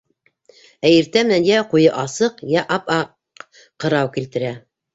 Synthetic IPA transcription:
æjiɾt̪æmɘ̆nænjæqujɤʔɑsɤqjæʔɑpɑ | qɤ̆ɾɑwkilt̪ɘ̆ɾæ

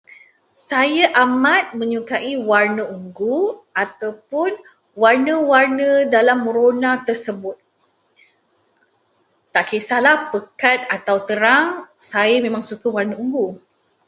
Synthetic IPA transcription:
sajaʔamat̪̚mə̃ɲukaʔiwarnə̃uŋɡuat̪awpʊn | warnə̃warnə̃dalamːəɾonãt̪ərsəbʊt̪̚ | aʔkesahlahpəkat̪̚at̪awt̪əɾaŋsajəmẽmãŋsukəwarnə̃uŋɡu

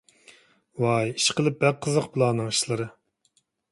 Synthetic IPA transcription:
wɑjiʃqəlˠɨp̚bæqʰːəzəqpʰɨlˠɑːnɨŋi̥ʃlˠɨɾɨ

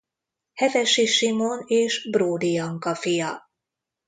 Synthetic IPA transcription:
hɛvɛʃiʃimoneːʃbroːd̪ijɒŋkɒfijɒ

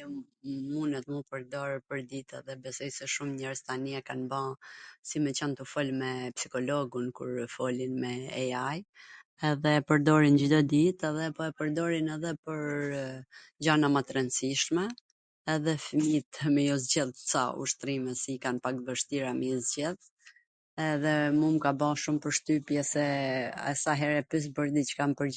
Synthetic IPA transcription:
munɛt̪mupəɾd̪ɔɾpəɾd̪it̪ɛ̰ðɛbɛsɔjsɛʃumɲɛɾzt̪aniɛkanbãsimɛt͡ɕant̪ufɔlmɛpsikɔlɔɡunkṵɾfɔlinmɛːaj | ɛðɛpəɾd̪ɔɾind͡ʑd̪ɔd̪it̪ɛðɛpɔɛpəɾd̪ɔɾinɛðɛpəɾ | d͡ʑanamat̪ɾɛnsiʃmɛː | ðɛfmit̪mɛjɔzɟɛlˠsa̰ṵʃt̪ɾimɛsikanpak̚t̪̚vəʃt̪iɾamizɟɛð | ɛðɛmumkabaʃumpəɾʃt̪ypjɛsɛa̰saɦɛɾɛpis̬bəɾd̪it͡ʃə̥kampəɾ

